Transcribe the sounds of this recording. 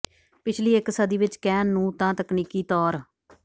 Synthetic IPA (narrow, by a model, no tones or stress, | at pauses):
pɪt͡ʃʰliːɪksəd̪iːʋɪt͡ʃkɛːnːũːt̪ãːt̪əkniːkiːt̪ɔːɾ